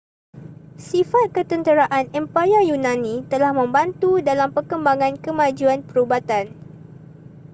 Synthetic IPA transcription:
sifat̪̚kət̪ənt̪əɾaʔanɛmpajajunãnĩt̪əlahmə̃mbant̪udalampərkəmbaŋãnkəmãd͡ʒuanpəɾubat̪an

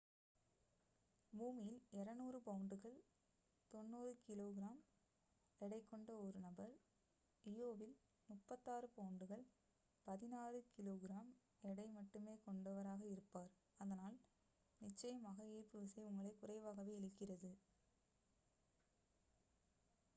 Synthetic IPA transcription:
buːmɪjɪlɛɾɐnuːrɯpɐʊɳɖɯɣɐɭ | t̪ɔnːuːrɯkɪloːɣɪɾaːm | ɛɽɐɪkːɔɳɖɐɔɾɯnɐbɐɾ | ɪjoːʋɪl | mʊpːɐt̪ːaːrɯpɐʊɳɖɯɣɐɭ | pɐðɪnaːrɯkɪloːɣɪɾaːm | ɛɽɐɪmɐʈːɯmeːkɔɳɖɐʋɐɾaːɣɐɪɾɯpːaːɾ | ɐðɐnaːl | nɪt͡ʃːɐjɐmaːɣɐeːɾpɯʋɪsɐɪʊŋɡɐɭɐɪkʊrɐɪʋaːɣɐʋeːɪɻɯkːɪrɐðɯ

